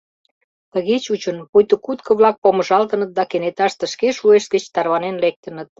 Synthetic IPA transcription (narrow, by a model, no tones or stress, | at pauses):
t̪əɣet͡ɕut͡ɕənpojt̪əkut̪kə̆βlɑk̚pomə̆ʒɑlt̪ə̆nə̆t̪̚d̪ɑkenet̪ɑʃt̪ə̆ʃkeʃueʃt̪̚ɡət͡ɕt̪ɑrβɑnenlek̚t̪ə̆nət̪̚